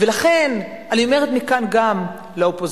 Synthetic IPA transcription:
velaχen | anio̞me̞et̪mikanɡam | leopo

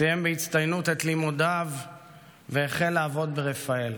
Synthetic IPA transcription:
ijembehit͡st̪ajnut̪et̪limod̪av | veːχelːaːvo̞d̪̚beʁefael

